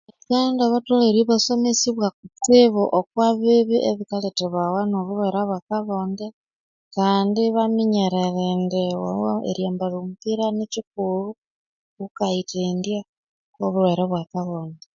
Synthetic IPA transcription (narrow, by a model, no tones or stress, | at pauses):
ekandaβatoleɾiβasomesiβwak̚ut͡siβuʔokwaβiβiʔeβikaleteβawanoβuɾweɾaβwakaβoːnde | kaːndiβamiɲeɾeɾendewa̰oḛɾjaːmbalumpiɾanicik̚ulu | kukaitendja | oβuɾweɾaβwakaβoːnde